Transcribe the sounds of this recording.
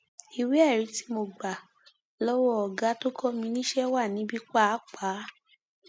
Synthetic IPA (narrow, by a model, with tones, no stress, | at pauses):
i˨we˦ɛ˦˨ɾi˨˦ti̥˦mo˧ɡ͡ba˨ | lɔ˦wɔ˦ɔ˨ɡa˨˦to˦kɔ˦mĩ˧˦nĩ˦ʃɛ˦wa˦˨nĩ˨˦bi˦k͡pa˦k͡pa˨˦